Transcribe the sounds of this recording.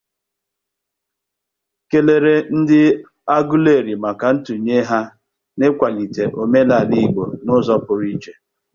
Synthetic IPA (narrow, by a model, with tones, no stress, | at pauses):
ke˨le˨ɾe˦n̩˦dɪ˦ | a˦ɡu˦le˦˨ɾi˨ma˨ka˨n̩˦tu˨ɲe˦ɦa˦ | ne˦kʷa˨li˨te˨ʔo˨me˦la˨di˦ɡ͡bo˨nʊ˦zɔ˦pʊ˨ɾi˦t͡ʃe˨